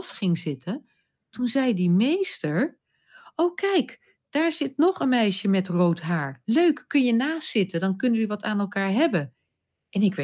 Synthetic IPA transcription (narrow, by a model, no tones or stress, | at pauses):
sχɪŋzɪtən | tunzɛjdimejstəɹ | owkɛjk | d̥aːɹzɪtnɔχənmɛjʃəmɛtrowtɦaːɹløɥkːɵnjənaːstːɪtədɑnkɵnəʋəʋɑtaːnɛlˠkaːɹɦɛbən | ʔɛnɪkʋ